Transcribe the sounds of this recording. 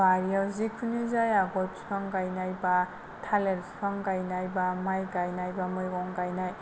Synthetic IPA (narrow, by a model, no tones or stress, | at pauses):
baɾijawzikʰunizajaɡɔjp̚skʰaŋkajnajba | tʰaleɾskʰaŋkajnajbamajkajnajbamɯjɔŋkajnaj